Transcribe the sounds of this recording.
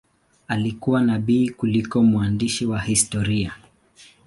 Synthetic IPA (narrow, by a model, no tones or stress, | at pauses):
alikuwanaɓiːkulikɔmwandiʃiwahistɔɾia